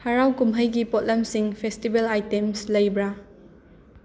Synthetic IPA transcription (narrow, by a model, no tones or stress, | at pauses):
haɾawkumɦəjɡipɔt̚lɐmsiŋpʰestibelajtemslɐjbɾa